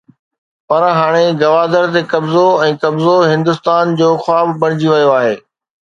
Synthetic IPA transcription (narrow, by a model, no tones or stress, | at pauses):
pɐɾɦaːɽ̃eɡɐʋaːd̪əɾt̪ekɐbzoɛ̃ːkɐbzoɦɪ̃nd̪ʊst̪aːnd͡ʑoːxaːbbɐɽ̃ɪd͡ʑiʋɐjoaːɦeː